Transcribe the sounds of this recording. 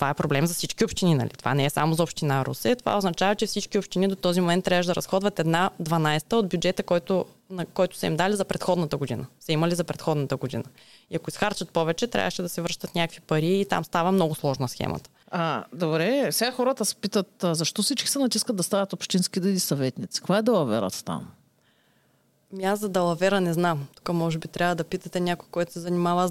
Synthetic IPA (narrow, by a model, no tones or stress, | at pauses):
t̪ovaɛpɾoblɛmzɐsit͡ʃkʲiopʃt̪ininɐ̰lḭt̪ova̰nɛɛsa̰mozɐopʃt̪inaɾṵsɛt̪ova̰oznɐt͡ʃavɐt͡ʃɛfsit͡ʃkʲiopʃt̪inid̪ot̪ɔzimomɛnt̪ːɾʲavəʒd̪ɐɾɐsxɔd̪vɐt̪ɛd̪nad̪vɐnajst̪əod̪̚bʲjud͡ʒɛt̪əkɔjt̪ʊ | nɐkɔjt̪ʊ̥sɐimd̪alizɐpɾɛt̪xɔd̪nət̪əɡod̪inəsɛimɐlizɐpɾɛt̪xɔd̪nət̪əɡod̪ḭnə | iɐkoisxaɾt͡ʃət̪̚pɔvɛt͡ʃɛt̪ɾʲa̰vəʃɛd̪ɐsɛvɾʃt̪ət̪nʲakəkvipɐɾiːt̪a̰mst̪avəmnɔɡʊslˠɔʒnɐsxɛ̰mɐ̰t̪ə̥ad̪obɾɛfsɛɡaxɔɾət̪əsɛ̥pit̪ət̪ːzɐʃt̪ɔfsit͡ʃkʲi̥sɛnɐt̪iskəd̪̚d̪ɐst̪anʲət̪opʃt̪inskid̪ɛilisɐvɛt̪nit̪si̥kvaɛd̪ɐlˠɐvɛ̰ɾə̰t̪t̪a̰m | miazɐd̪ɐlˠɐvɛɾənɛznamt̪u̥kəmɔʒɛbit̪ɾʲʔavəd̪ɐpit̪ɐt̪ɛnʲakʊjkɔjt̪ʊ̥sɛzɐnimavə